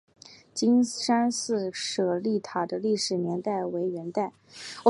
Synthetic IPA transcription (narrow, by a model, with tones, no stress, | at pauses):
t͡ɕi˥nʂa˥nsɹ̩˥˩ʂɤ˨˩li˥˩t̪ʰa˨˩d̪ə˦li˥˩ʂɻ̩˨˩njɛ˧˥nt̪a˥˩ɪwe˧˥ɪɥɛ˧˥nt̪a˥˩ɪ˨˩